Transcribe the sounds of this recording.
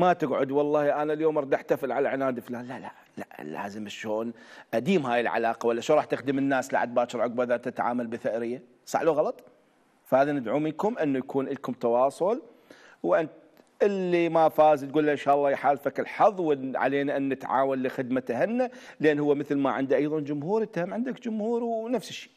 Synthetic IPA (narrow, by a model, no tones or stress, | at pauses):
mat̪ɪɡʕʊ̰d̪wɑlˤːɑːhjʔanaljoːmʔɑɾˤd̪aħt̪afɪlʕalaʕɪnaːd̪ɪflaːnlala̰ʔ | la̰la̰ːzɪmɪʃːoːnʔad̪iːmhaːjɪlʕa̰laːqɑwalːaʃuɾˤɑːħt̪ɪxd̪ɪmɪnːaːsla̰ʕad̪̚baːt͡ʃɑɾʕʊɡ̚baðat̪ɪt̪ʕa̰ːmalbɪθɪʔɾɪjːa | sˤɑ̰ʕluɣɑlɑt̪ˤ | fahaːðanɪd̪ʕuːmɪnkʊmʔɪnːujakʰuːnʔɪlkʊmt̪ɑwɑːsˤʊl | wʔɪnt̪ | ʔɪlːimafaːzt̪̚ɡuːlːaʔɪnʃaːʔɑlˤːɑːjaħaːlfakɪlħɑðˤːwɪʕa̰leːnaʔanːɪt̪ʕa̰ːwanlixɪd̪mat̪hɪnːalʔenːhʊwːamɪθlmaʕɪnd̪iʔɑjðˤɑnd͡ʒʊmhuːɾt̪ːahamʕɪnd̪akd͡ʒʊmhuːɾwnafsɪʃːi̥ː